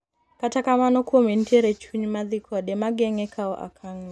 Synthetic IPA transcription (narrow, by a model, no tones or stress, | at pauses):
katakamanɔkwomenteɾet͡ʃuɲmad̪ikʰɔɗɛmaɡɛŋɛkʰaɔʔa̰kʰaŋn